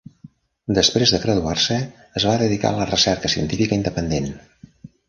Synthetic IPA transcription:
d̪əspɾezðəɣɾəðuarsəː | zβaðəðika̰ələrəsɛɾkəsiə̰nt̪ifikəind̪əpənd̪en

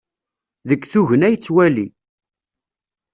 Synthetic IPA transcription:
ðəkːθuʝənæjət͡sːwæli

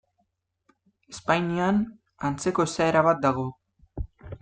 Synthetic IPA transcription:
espajnian | ant͡se̞ko̞esaeɾaβat̪̚d̪aɣ̞o̞

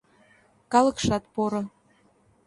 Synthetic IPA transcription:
kɑlɤ̆kʃɑt̪̚poɾɤ̆

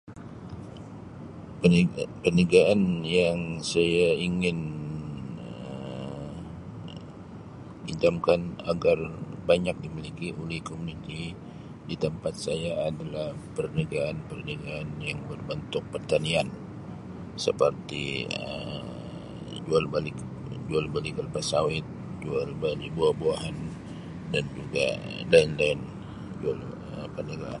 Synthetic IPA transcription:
pərnəɡaanjaŋsajaiŋɪn | ə | idamkanaɡarbaɲak̚dimilikiʔolɛhkomunit̪i | dit̪əmpat̪̚sajaːdalahpərnəɡaːnpərnəɡaːnjaŋbərbənt̪ʊk̚pərt̪anian | sə̰pərt̪ḭə̰m | d͡ʒualbalɪk | d͡ʒualbalikəlpasawɪt̪̚d͡ʒualbalikbuahbuaɦan | dand͡ʒuɡa̰daɪnlan | d͡ʒual | əpərnəɡa̰a̰n

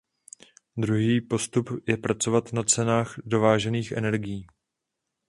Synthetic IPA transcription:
d̪ɾuɦiːpo̞st̪upjɛpɾat͡so̞vat̪nat͡sɛnaːxdo̞vaːʒɛniːxʔɛ̰nɛɾɡɪjiː

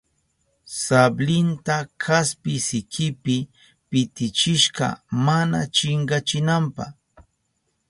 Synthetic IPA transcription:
sablɪnt̪akʰaspɪsɪkʰɪpɪ | pɪt̪ɪt͡ʃɪʃɢɑ̰mana̰t͡ʃɪɴɢɑt͡ʃɪnampɑ̰χ

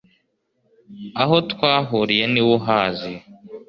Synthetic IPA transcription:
aɦotkwaːɦuɾijeniwoɦaːzi

